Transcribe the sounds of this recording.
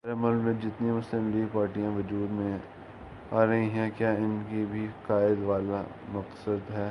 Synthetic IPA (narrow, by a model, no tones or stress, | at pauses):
ɾɐməlmẽd͡ʒɪt̪nemʊslɪmliːɡ̚paːɾʈijãʋɐd͡ʒuːd̪mẽ | aːɾɐɦĩɦɛ̃kjaːɪnkibʱiqaːɪd̪ʋaːla | mɐqsəd̪ɦɛː